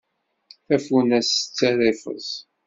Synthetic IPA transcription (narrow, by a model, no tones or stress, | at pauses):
æfunæsə̥t͡sːæɾɪfə̰zˤ